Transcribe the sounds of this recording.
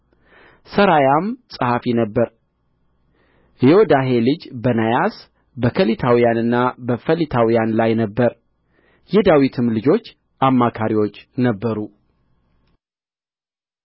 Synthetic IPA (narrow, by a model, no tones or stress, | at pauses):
səɾajamsʼɨhafinəbːəɾ | eod̪aɦe̞lɨd͡ʒbənajas | bəkʰəlit̪ʰawijanɨnːabəfəlit̪ʰawijanlajnəbːəɾ | jɛd̪awit̪ʰɨmlɨd͡ʒo̞t͡ʃː | ʔamːakʰaɾiwo̞t͡ʃːnəbːəɾu